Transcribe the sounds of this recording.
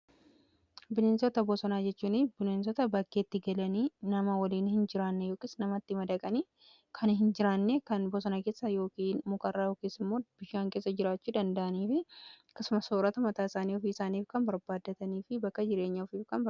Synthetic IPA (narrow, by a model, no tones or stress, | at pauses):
bɪneːnsɔt̪ɐbɔsɔnaːd͡ʒɛt͡ʃːuːnɪbɪneːnsɔt̪ɐbɐkːe̞ːt̪ːɪɡɐlɐniːnɐmɐwɐliːnhɪnd͡ʒɪɾaːnːɛjo̞ːkʼɪsnɐmɐt̪ːɪmɐd̪ɐkʼɐniː | kʰɐnɦɪnd͡ʒɪɾaːnːekɐnbɔsɔnake̞ːsːɐjo̞ːkiːnmʊkʼɐrːaːjoːkʼiːsɪmːoːb̥ɪʃaːŋke̞ːsːɐd͡ʒɪɾaːt͡ʃːuːd̪ɐnd̪ɐʔɐniːfɪɐkːɐsʊmɐsoːɾɐt̪ɐmɐt̪aːɪsaːniːɔfiːɪsaːniːfkɐnbɐɾbaːd̪ːɐt̪ɐniːfɪbɐkːɐd͡ʒɪɾe̞ːɲːɐɔfiːfkɐnbɐ